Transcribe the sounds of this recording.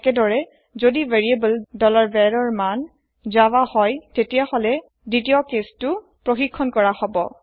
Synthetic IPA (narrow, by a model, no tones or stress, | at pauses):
kɛdɔɹɛ | zodiveɹiebəldɔlaɹbɛɹɔɹman | zawahɔjtetijahɔlɛ | ditiɔkestʊ | pɹoxikʰːɔnkɔɹahɔbɔ